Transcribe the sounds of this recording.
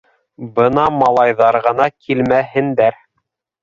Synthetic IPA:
bɤnɑmɑlˠɑjðɑɾʁɤ̆nɑkʰilmæɦɘ̆nd̪æɾ

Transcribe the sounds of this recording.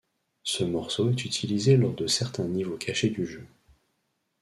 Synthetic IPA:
səmɔʁsoɛt̪yt̪ʰilizelɔʁd̪əsɛʁt̪ɛ̃nivokʲʰaʃed̪yʒø

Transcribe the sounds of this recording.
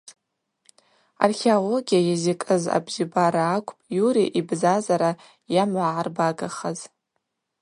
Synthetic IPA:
a̰rχʲeolo̞ɡʲijajazikʼɨza̰bzibaɾaːkʷʼʰpʼjuɾiʔibzazaɾa | jamaʕarbaɡaχəz

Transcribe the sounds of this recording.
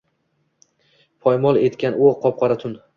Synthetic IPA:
pʰɒjmɒlˠe̞t̪kʲanʊqʰɒp̚qʰɑɾat̪ʰʊn

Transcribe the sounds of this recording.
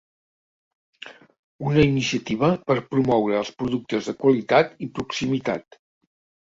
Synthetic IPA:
unəinisiət̪iβ̞əpəɾpɾumɔwɾəːlˠspɾuðuk̚t̪əzðəkwəlit̪at̪ipɾuksimit̪a̰t̪

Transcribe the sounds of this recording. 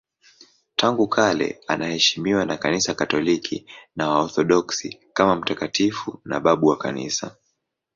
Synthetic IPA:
taŋɡukʰalɛ̰anahɛʃimiwanakanisakatɔlikʰḭnawaɔθɔɗɔksikamam̩takatifuna̰ɓaɓuwaka̰nḭsa̰

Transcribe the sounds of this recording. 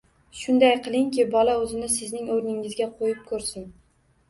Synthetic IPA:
ʃʊnd̪ajqʰɨlˠɪŋkʲʰɪbɒlaɵzɪnɪsɪznɪŋɵɾnɪŋɪzɡʲaqʰojɪp̚kʰɵɾsɪn

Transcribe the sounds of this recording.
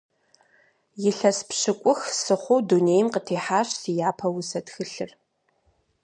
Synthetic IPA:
jɪɬɐspɕɨkʷʼʊxsɨχʷowduneːjmqətʰeːħaːɕsijaːpʰɐwʊsɐtxɨɬɨr

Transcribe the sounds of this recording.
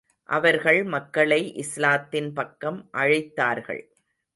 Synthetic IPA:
ʔɐʋɐɾɣɐɭmɐkːɐɭɐɪʔɪslaːt̪ːɪnpɐkːɐmʔɐɻɐɪt̪ːaːɾɣɐ̰ɭ

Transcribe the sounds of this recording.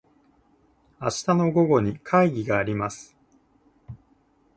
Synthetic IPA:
aɕi̥t̪ano̞ɡo̞ɡo̞ɲ̟ikʰaiɡʲiɡaːɾʲimasɨ̥

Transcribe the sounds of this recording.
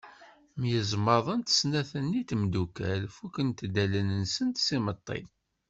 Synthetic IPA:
mjəzməðˤənt̪ə̥snæθənːit̪md̪ukælfukənt̪d̪ælənənsənt̪simət̪ˤːḭ

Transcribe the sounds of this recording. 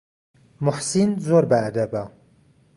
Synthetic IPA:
mʊħsinzoɾbɐːd̪ɐba

